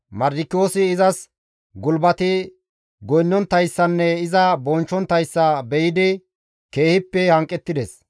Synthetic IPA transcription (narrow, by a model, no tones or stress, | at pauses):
mɐɾd̪ɪkːɪjoːsɪːzɐs | ɡʊlbɐt̪ɪ | ɡɔjnːɔnt̪ːɐjsːɐnːɛɪzɐbɔnt͡ʃːɔnt̪ːɐjsːɐbɛjɪd̪ɪ | ke̞ːhɪpːɛhɐŋkʼːɛt̪ːɪd̪ɛs